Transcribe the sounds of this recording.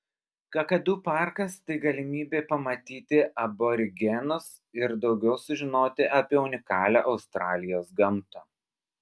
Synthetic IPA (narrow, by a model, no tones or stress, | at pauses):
kɐkɐd̪uːpɑˑɾkɐst̪ɐɪɡɐlʲɪmʲiːbʲeːpɐmɐt̪ʲiːt̪ʲɪʔɐboɾʲɪɡʲɛnʊs | ɪɾd̪ɒʊɡʲɛʊsʊʒʲɪnoːt̪ʲɪʔɐpʲiɛʊnʲɪkɑːlʲoːʔɐʊst̪ɾɑːlʲɪjoːsɡɐmt̪ɐː